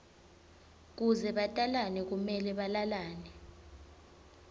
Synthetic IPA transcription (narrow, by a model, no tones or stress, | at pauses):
k̬uzɛɓatʼalanɛk̬umɛlɛɓalalaːnɛ